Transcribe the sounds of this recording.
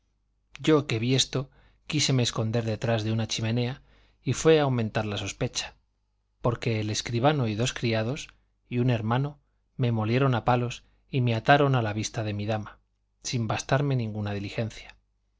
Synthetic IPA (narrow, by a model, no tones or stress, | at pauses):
ɟ͡ʝo̞ke̞βie̞st̪o̞ | kise̞meːsko̞nd̪e̞ɾðe̞t̪ɾazðe̞unat͡ʃime̞ne̞a | ifwe̞aːwmẽ̞nt̪aɾlaso̞spe̞t͡ʃḁ | po̞ɾke̞ːleskɾiβ̞ano̞iðo̞skɾiað̞o̞s | iune̞ɾmãno̞ | me̞mo̞lje̞ɾo̞napalo̞s | ime̞at̪aɾo̞nalaβist̪aðe̞miðama | simbast̪aɾme̞nĩŋɡunað̞ilixe̞nθjḁ